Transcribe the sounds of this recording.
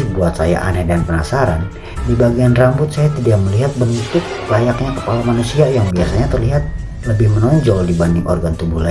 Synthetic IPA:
buat̪saja̰ʔa̰nɛdanpənasaɾa̰n | dibaɡianrambʊt̪̚sajat̪idak̚məliɦat̪̚bənd̪ut̪ʊk̚lajakɲakəpalamanusiajaŋbiasaɲat̪ərliɦat̪̚ | ləbɪhmənɔɲd͡ʒɔdibandɪŋʔɔ̰rɡant̪ubuhla

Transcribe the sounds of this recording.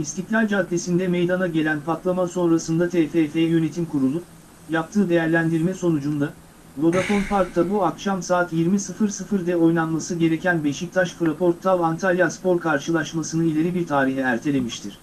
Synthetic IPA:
ist̪ʰiclʲalʲd͡ʒad̪ːe̞sind̪ɛme̞jd̪anaɟe̞lʲænpʰat̪lˠamaso̞nɾasɯnd̪at̪ʰefefe̞jɛjø̞ne̞t̪ʰimkʰuɾulˠu | jap̚t̪ʰɯːd̪e̞jæɾlʲænd̪iɾmɛso̞nud͡ʒund̪a | vo̞d̪afo̞npaɾk̚t̪ʰabuakʃamsaːt̪jiɾmisɯfɯɾsɯfɯɾd̪ɛo̞jnˠanmasɯɟe̞ɾe̞cʰænbe̞ʃic̚t̪ʰaʃfɾapo̞ɾt̪ʰːavant̪ʰalʲjaspo̞ɾkʰaɾʃɯlˠaʃmasɯnɯilʲe̞ɾibiɾt̪ʰaːɾiɦɛæɾt̪ʰe̞lʲe̞miʃt̪ʰiɾ̥

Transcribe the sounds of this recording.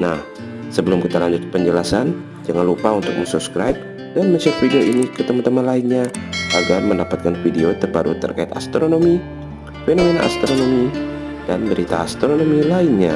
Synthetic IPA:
nah | səbəlʊmkit̪alaɲd͡ʒʊt̪̚pəɲd͡ʒəlasan | d͡ʒaŋanlupaunt̪ʊk̚məsupskɾajp̚ | d̥anməsɔpfideoʔinikət̪əmant̪əmanlaɪnɲaʔaɡarməndapat̪̚kanfideot̪ərbaɾṵt̪ə̰rkaɪt̪a̰st̪ɾonomi | fenomena̰ʔast̪ɾonomi | danbəɾit̪a̰ast̪ɾonomilaɪnɲa

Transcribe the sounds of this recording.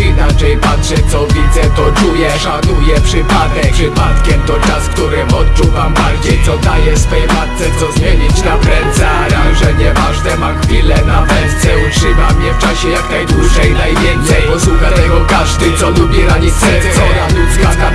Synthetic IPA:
inat͡ʂɛjpatʂɛt̪sɔvʲid̪zɛt̪ɔt͡ʂujɛʂanujɛpʂɘpad̪ɛpʂɨpat̪kʲɛmt̪ɔt͡ʂaskt̪uɾɘɔt̪t͡ʂuvampaɾkʲɛt̪sɔd̪ajɛsfɛjɛmat̪t̪sɛt̪sɔzmʲjeɲit͡ɕnapɾɛnt̪sɛaɾaɡʐɛɲɛvaʐd̪ɛmaxfʲilɛnavɛnt̪sjɛutʂɘmamɲɛft͡ʂaɕɛjaknajd̪wuʐɛjnajvʲjɛnt̪sɛjɔswukat̪ɛɡɔkaʐd̪ɪt̪sɔlubʲjiɾaɲisɾɛsɛɔɾalut̪skana

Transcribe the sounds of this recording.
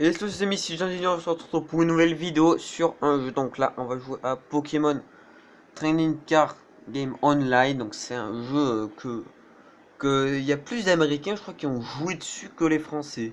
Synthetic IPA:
eɛskəsəsemisiʒɛ̃zinɔ̃əsɑ̃t̪u̥t̪opuʁynːuvɛlvid̪eosyʁɛ̃ʒød̪ɔ̃kla̰ʔɔ̃vaʒuweʔapɔkʰʲemɔn | t̪χɛnĩŋkaʁ | ɡʲɛmɔ̃nlajnd̪ɔ̃ksɛt̪ɛ̃ʒøøkʰə | kəiljaplysd̪ameʁikʲɛ̃ʒəkχwakʲiɔ̃ʒued̪əsykʲəlefχɑ̃sɛ

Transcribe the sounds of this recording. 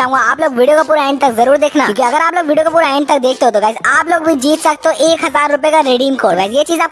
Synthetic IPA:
aːɦũŋɡaːploːɡʋiːɖijoːkapuːɾaɛ̃ɪɳɖt̪ɐkzɐɾuːɾd̪eːkʰnajõːkiɐɡəɾaːploːɡʋiːɖijokapuːɾaɛːɪɳɖt̪ɐk̚d̪eːk̚ʰt̪eɦoːt̪oɡaːɪzaːploːɡbʱid͡ʒiːt̪sɐk̚t̪oʔeːkɦɐzaːɾːʊpjekaɾeːɖiːmkoːɾokaːɪzjet͡ʃiːzaːp

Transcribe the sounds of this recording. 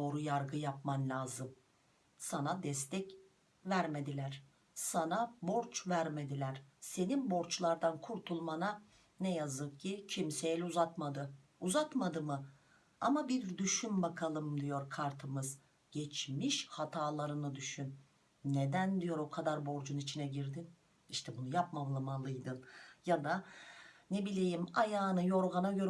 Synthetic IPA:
oːɾujaɾɡɯjap̚manlʲaːzɯm | sanad̪ɛst̪ʰɛc | væɾme̞d̪ilʲæɾ̥ | sanabo̞ɾt͡ʃvæɾme̞d̪ilʲæɾ̥se̞ninbo̞ɾt͡ʃlˠaɾd̪ankʰuɾt̪ʰulˠmana | nɛjazɯk̚cʰicʰimsejɛlʲɛuzat̪mad̪ɯ | uzat̪mad̪ɯmɯ | a̰mabiɾd̪yʃymbakʰalˠɯmd̪ijo̞ɾkʰaɾt̪ʰɯmɯz | ɟ̥ɛt͡ʃmiʃhat̪ʰaːlˠaɾɯnɯd̪yʃyn | ned̪ænd̪ijo̞ɾo̞kʰad̪aɾbo̞ɾd͡ʒunit͡ʃʰinɛɟiɾd̪in | iʃt̪ʰɛbunujap̚mamlˠɯmalˠɯjd̪ɯnjad̪a | nebilʲejimajaːnɯjo̞ɾɣanaɟø̞ɾ

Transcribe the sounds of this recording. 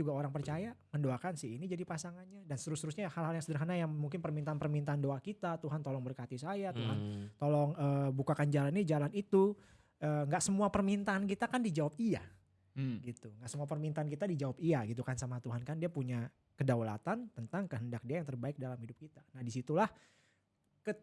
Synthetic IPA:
d͡ʒuɡaoɾaŋpərt͡ʃajaməndoakansɪhinid͡ʒadipasaŋanɲadansə̥t̪əɾust̪əɾʊsɲahalɦaljaŋsədərɦanajaŋmuŋkɪnpərmint̪aːnpərmint̪aːndoakit̪at̪uɦant̪ɔlɔŋbərkat̪isajat̪uɦant̪olɔŋəːbukakand͡ʒalannid͡ʒalanit̪u | ʔəːŋɡaʔsəmuapərmint̪aːnkit̪akandid͡ʒawap̚ia̰ | ɡit̪uŋɡaʔsəmuapərmint̪aːnkit̪adid͡ʒawap̚iaɡit̪̬ukansamat̪uɦankandiapuɲa | kədawla̰t̪ant̪ənt̪aŋkəɦəndak̚diajaŋt̪ərbaɪk̚dalamhidʊp̚kit̪anahdisit̪ulah | kə

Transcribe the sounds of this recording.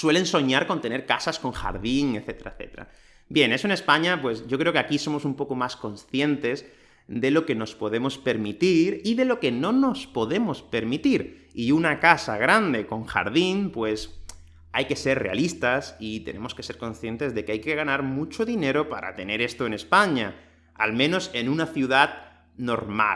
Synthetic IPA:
swe̞le̞nso̞ɲaɾko̞nt̪e̞ne̞ɾkasasko̞ŋxa̰ɾðiŋe̞θe̞t̪eɾa̰eθe̞̰t̪eɾa̰ | bje̞ne̞soene̞spaɲapwe̞zʝo̞kɾe̞okeakiso̞mo̞sumpo̞ko̞masko̞nsθje̞nt̪e̞z | ðe̞lo̞ke̞no̞spo̞ðe̞mo̞spe̞ɾmit̪iɾiðe̞lo̞ke̞nono̞spo̞ðe̞mo̞spe̞ɾmit̪iɾ | iunakasa̰ɣ̞ɾand̪e̞ko̞ŋxa̰ɾðinpwe̞s | ajke̞se̞ɾrḛa̰list̪asit̪e̞̰nẽ̞̰mo̞ske̞se̞ɾko̞nsθje̞nt̪e̞zðe̞keajke̞ɣ̞anaɾmut͡ʃo̞ðine̞ɾo̞pa̰ɾa̰t̪e̞ne̞ɾe̞st̪o̞ene̞spaɲa | a̰lmẽno̞se̞nũnaθjuðat̚ | no̞̰ɾma̰

